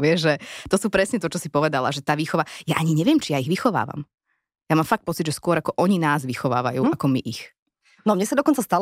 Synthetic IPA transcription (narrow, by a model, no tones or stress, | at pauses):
ʋɪɛʒʒɛt̪ɔsuːpɾɛsɲɛt̪ɔt͡ʃɔsipɔʋɛd̪ala̰ʒɛt̪aːʋiːxɔʋajaʔaɲiɲɛʋɪjɛmt͡ʃijaiɣʋixɔʋa̰ːʋa̰m | jamaːmfak̚t̪̚pɔt͡sid̪ʒɛskʊɔɾakɔʔɔɲinaːzʋixɔʋa̰ːʋa̰jṵːakɔmiʔix | nɔmɲɛsad̪ɔkɔnt͡sast̪al